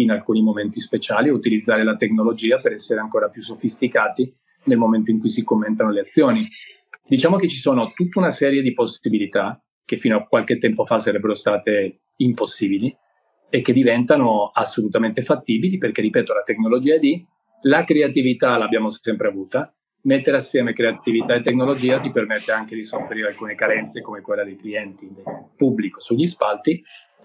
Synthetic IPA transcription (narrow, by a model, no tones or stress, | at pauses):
inalkuːnimoment̪ispet͡ʃaːlieut̪ilid̪zːaːɾelat̪eknolod͡ʒiːapeɾɛsːeɾeaŋkoːɾapjusːofist̪ikaːt̪i | nelmoment̪oiŋkujsikomːent̪anoleat̪sːjoːni | d̪it͡ʃaːmok̟et͡ʃːisoːnot̪ut̪ːaunasɛːɾjed̪iposːibilit̪a | k̟efːiːnoak̚walk̟et̪ːɛmpofasaɾɛbːeɾost̪aːt̪e | imposːiːbili | ekːed̪ivɛnt̪anoasːolut̪ament̪efat̪ːiːbiliperk̟erːipɛːt̪olat̪eknolod͡ʒiːad̪i | lakɾeat̪ivit̪alabjaːmosɛmpɾeavuːt̪a | met̪ːeɾeasːjɛːmekɾeat̪ivit̪aet̪ːeknolod͡ʒiːat̪ipermet̪ːeaŋk̟ed̪isofeɾiɾealkuːnekaɾɛnt̪sekomekwelːad̪ejkliɛnt̪id̪epubːlikosuʎːispalt̪i